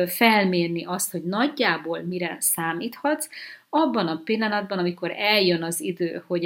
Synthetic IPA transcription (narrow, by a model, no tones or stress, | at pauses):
fɛlmeːrniʔɒst̪ho̞ɟnɒɟːaːboːlmiɾɛsaːmiːt̪hɒt̪sɒbːɒnɒpilːɒnɒd̪̚bɒnɒmiko̞ɾɛljønɒzid̪ø̰ːho̞ɟ